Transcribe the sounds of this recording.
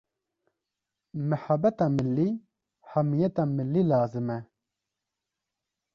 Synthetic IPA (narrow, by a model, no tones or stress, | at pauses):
mɐħabɐt̪amɪlːi | hɐmːijɛt̪amɪlːilaːzɨmɛ